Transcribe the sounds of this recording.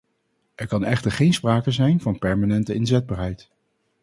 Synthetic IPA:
ʔɛɹkɑnɛχtəɹχejnspraːkəzɛjnvɑnpɛɹmanɛntəɪnzɛd̚baːɹɦɛjt

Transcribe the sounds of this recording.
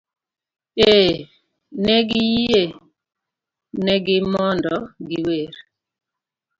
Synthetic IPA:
e | nɛɡijie | nɛɡɪmɔndɔɡiweɾ

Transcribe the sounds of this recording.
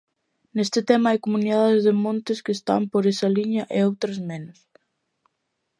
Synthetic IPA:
nest̪ɪt̪ɛmɐajkomuniðaðɪzðɪmõnt̪ɪskɪːst̪a̰mpoɾesɐliɲɐʔeowt̪ɾɐzmenʊs

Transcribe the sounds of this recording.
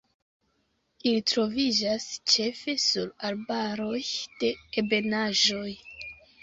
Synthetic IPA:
ilitɾo̞vid͡ʒast͡ʃe̞fe̞suɾalbaɾo̞jd̥e̞ːbe̞naʒo̞j

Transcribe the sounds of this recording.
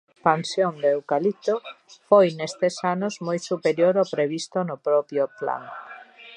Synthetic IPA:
espansjond̪ewkalit̪ofojnest̪esanozmojsupeɾjoɾopɾeβist̪onʊpɾɔpjopla̰ŋ

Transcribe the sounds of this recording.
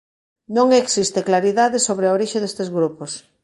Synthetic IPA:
nõŋeksist̪eklaɾiðaðesoβɾeaoɾiʃeðest̪ezɣɾupos

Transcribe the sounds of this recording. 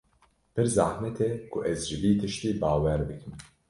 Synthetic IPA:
pɨɾzaːhnɛt̪ʰɛkʰʊʔɛzʒɪbiːt̪ʰɨʃt̪iːbaːwɛɾbɨkʰɨm

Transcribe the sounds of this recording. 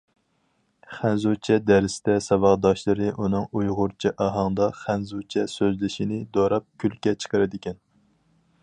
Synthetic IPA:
χænzut͡ʃʰɛd̪æɾɪsd̪ɛsɑwɑʁd̪ɑʃlˠɨɾɨʔunɨŋujʁʊɾt͡ʃʰiʔɑɦɑŋd̪ɑχænzut͡ʃʰɛsøzlɪʃinɪd̪oɾɑp̚kʲʰylkʲɛt͡ʃʰə̥qəɾɪd̪ɪkʲʰɛn

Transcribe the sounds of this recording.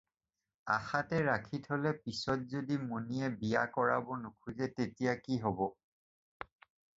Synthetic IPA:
a̰xatɛɹakʰitʰolɛpisɔt̚zodimunijɛbija̰kɔɹa̰bɔnukʰuzɛtetijakiɦɔbɔ

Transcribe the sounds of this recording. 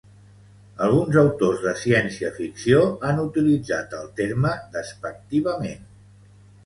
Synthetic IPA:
əlˠɣunzəwt̪ozðəsiɛnsiəfiksioanut̪ilid͡zat̪əlˠt̪eɾməðəspək̚t̪iβəmen

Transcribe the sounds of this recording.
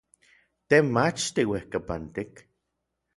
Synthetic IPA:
t̪emat͡ʃt̪iwehkapant̪ik

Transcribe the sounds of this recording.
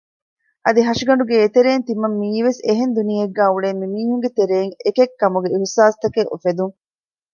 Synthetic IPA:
ʔɐd̪iɦɐʂiɡɐɳɖuɡeːt̪eɾeːnt̪imɐmːiːʋeseɦend̪unijeɡːæːuɭeːmːimiːɦuŋɡet̪eɾeːŋekekːɐmuɡeihsaːst̪ɐkeʔṵfed̪uŋ

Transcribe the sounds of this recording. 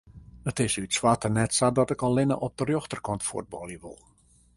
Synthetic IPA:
ətɪsytswatənɛtsadɔtɪkɔlˠːɪnə̰ʔɔp̚dərjoxtərkɔntfṵəd̚bɔ̰lˠjəʋo̰lˠ

